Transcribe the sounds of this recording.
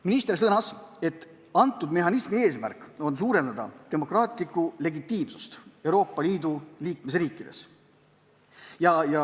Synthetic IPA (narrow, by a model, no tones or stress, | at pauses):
minist̪rs̬ɤnɑse̞t̪ːˑ | ɑnt̪ːˑud̪me̞ɦɑnismie̞ːsmæ̰rkːˑo̞nsuːɾe̞nd̪ɑd̪ɑ̰t̪e̞mo̞krɑːt̪ˑlikːˑule̞ɡit̪ːˑiːmsu̥st̪e̞wɾo̞ːpːˑɑliːd̪uliːkme̞sriːkːˑid̪̥e̞̰s | jɑjɑ